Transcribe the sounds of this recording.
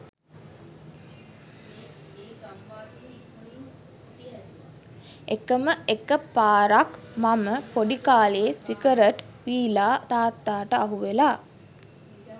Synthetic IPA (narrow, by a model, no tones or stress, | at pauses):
ekəməekəpaːɾakmaməpoɖikaːleːsikəɾəʈ | ʋiːlaːt̪aːt̪ːaːʈəaɦuʋelaː